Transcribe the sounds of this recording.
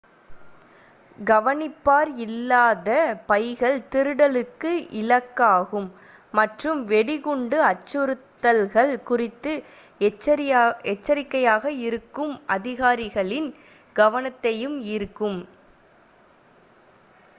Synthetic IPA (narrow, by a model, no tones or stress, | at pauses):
ɡɐʋɐnɪpːaːɾɪlːaːðɐpɐjɣɐɭt̪ɪɾɯɽɐlɯkːɯʔɪlɐkːaːɣɯmː | ɐʈrɯmʋɛɽɪɣɔɳɖɯɐt͡ʃːɯɾɯt̪ːɐlɣɐɭkʊrɪt̪ːɯ | ɛt͡ʃːɐɾɪkːɐjaːɣɐɪɾɯkːɯmʔɐ̰ðɪɣaːɾɪɣɐɭɪn | ɡɐʋɐnɐt̪ːɐjɯmiːɾkːɯm